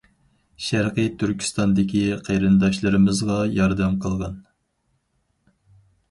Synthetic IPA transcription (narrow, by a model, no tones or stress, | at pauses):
ʃæɾqət̪ʰyɾkʲʰi̥st̪ɑnd̪ɪkʲʰiqʰejɾɨnd̪ɑʃlˠɨɾɨmɨzʁɑjɑɾd̪ɛmqʰəlˠʁɑn